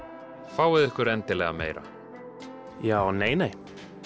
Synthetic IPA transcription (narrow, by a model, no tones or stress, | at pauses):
faːwvɪðɪhkʏɾɛnt̪ɪlɛɣa̰mḛːjɾa̰ | jaːwneːjneːj